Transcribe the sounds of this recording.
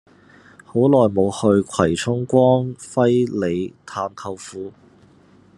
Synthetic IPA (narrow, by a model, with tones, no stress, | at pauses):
ho˨˥wlɔː˨jmo˨˧whɵ˧ɥkʷʰwɐ˨˩jt͡sʰʊ˥ŋkʷɔː˥ŋfɐ˥jle˨˧jt̪ʰaː˧mkʰɐ˧wfuː˨˥